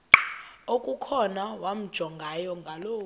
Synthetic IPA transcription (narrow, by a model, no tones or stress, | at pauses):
okʼukʰɔnawam̩d̥ʒ̥ʱɔŋɡʱajɔŋɡʱaloː